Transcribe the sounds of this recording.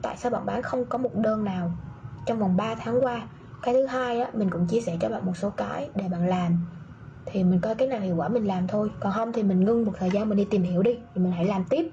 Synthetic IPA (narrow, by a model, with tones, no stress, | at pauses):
t̪a̰ː˧˨jsaː˧wɓa̰ː˧˨nɓaː˨˦nxə˧wŋ͡mkɔ˨˦mo˨˩t̚ɗəː˧˩nːaː˨˩wt͡ɕɔ˧wŋ͡mvɔ˨˩wŋ͡mɓaː˧t̪ʰaː˨˦ŋkwaː˧ | kaː˨˦jt̪ʰɨ˨˦ɦaː˧jʔaː˨˦mï˨˩ŋ̟kʊ̰˧˥ŋ͡mt͡ɕi˧əsɛ˧˩t͡ɕɔ˧ɓa̰ː˧˨nmo˨˩t̚so˨˦kaː˨˦jɗe˧˩ɓa̰ː˧˨nlaː˨˩m | t̪ʰi˨˩mï˨˩ŋ̟kɔ˨˧˦kaː˨˦naː˨˩whi˧˨wkwaː˧˩mï˨˩ŋ̟laː˨˩mt̪ʰo˧jkɔ˨˩nɦə˧wŋ͡mt̪ʰi˨˩mï˨˩ŋ̟ŋɨ˧ŋmo˨˩t̚t̪ʰəː˨˩jzaː˧nmi˨˩n̟ɗi˧t̪i˨˩mhi˧˩əwɗi˧vi˨˩mï˨˩ŋ̟ha̰˧˩jlaː˨˩mt̪i˦˥əp̚